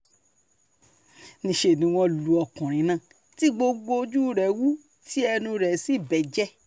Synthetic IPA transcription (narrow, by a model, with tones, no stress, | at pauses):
nĩ˧ʃe˧˨nĩ˨˦w̃ɔ̃˧lu˨ɔ˧kũ˨ɾ̃ĩ˨˦nãː˦˨ | ti˦ɡ͡bo˧ɡ͡bo˧d͡ʒu˦ɾɛ˨wu˦ | ti˦ɛ˧nũ˧ɾɛ˨si˨˦˨bɛ˨d͡ʒɛ˦